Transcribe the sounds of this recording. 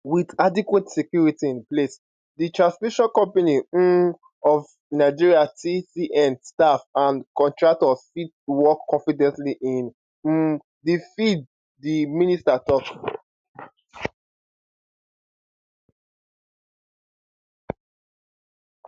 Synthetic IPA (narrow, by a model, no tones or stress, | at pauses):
widadikwetsɛkjuɹitiĩnples | ditɹãnsfiʃɔ̃nkɔ̃mpani | ɔv | naɪd͡ʒiɹiatʰisiʔɛ̃nstafãnkɔ̃ntɹak̚tɔsfitwɔkʰːɔ̃nfidɛ̃ntliʔĩn̩ | difid̚ | diministatɔk